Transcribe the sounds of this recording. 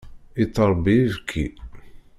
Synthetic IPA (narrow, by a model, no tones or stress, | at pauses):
it̪ːəɾˤbivkʰːi